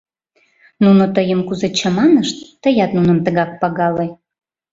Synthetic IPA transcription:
nunot̪əjəmkuzet͡ɕɑmɑnəʃt̪ːəjɑt̪nunəmt̪əɣɑk̚pɑɣɑle

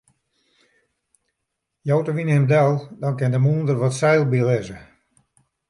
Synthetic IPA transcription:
jowtəʋinɛmdɛlˠdɔnkɪndəmuːndərʋɔtsɛjlˠbilɪzə

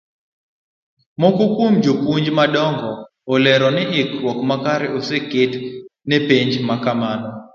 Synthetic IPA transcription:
mokukwumd͡ʒokuɲd͡ʒmadɔŋɡɔː | lɛɾɔnɛɪkɾwɔkmakaɾɛʔosekɪtnepeɲd͡ʒmakamanɔ

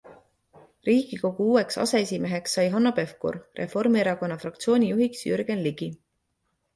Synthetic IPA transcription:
riːɡ̥iko̞ɡuuːe̞ksɑ̰se̞esʲime̞ɦe̞ksːɑjɦɑnːope̞fkṵrrʔe̞̰fo̞rmieɾɑko̞nːɑfrɑk̚t̪sio̞ːnʲijuɦiksjyɾɡ̥e̞nliɡ̥i

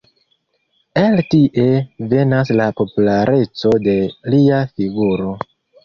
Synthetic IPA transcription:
eltiʔe̞ve̞naslapo̞pulaɾʔe̞t͡so̞de̞liafiɡuɾo̞

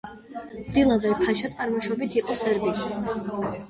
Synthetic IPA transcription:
md̪ilˠavɛɾpʰaʃat̪sʼaɾmɔʃɔbit̪ʰiqʼɔsɛɾbiʃi

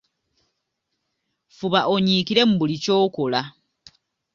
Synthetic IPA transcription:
fuβaʔo̞ɲiːkiɾe̞mubulico̞ːkola

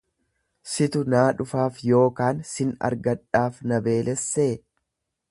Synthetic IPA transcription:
sɪt̪ʊnaːᶑʊfaːfjo̞ːkaːnsɪnɐ̰ɾɡɐᶑːaːfnɐbe̞ːlɛsːeː

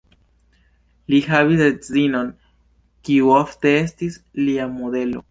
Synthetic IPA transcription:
lixaβisdezino̞n | kiuoft̪e̞estis | liamode̞lo̞̰

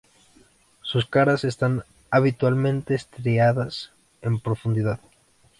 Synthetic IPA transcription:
suskaɾase̞st̪an | aβit̪walmẽ̞nt̪e̞ːst̪ɾeaðas | e̞mpɾofũnd̪iðað

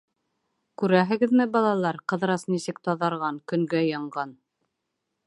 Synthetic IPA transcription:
kʉɾæɦɘ̆ɡɘ̆ðmɘbɑlˠɑlˠɑɾqɤ̆ðɾɑsnisɘkt̪ɑðɑɾʁɑŋkɵ̆ŋɡæjɑɴɢɑn

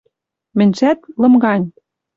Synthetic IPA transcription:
mɘ̆nʲʃæt̪lɤ̆mɡɑnʲ

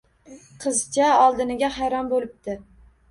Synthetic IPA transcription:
qʰɨzt͡ʃaɒlˠd̪ɪnɪɡʲahajɾɒnbolɪp̚t̪ɪ

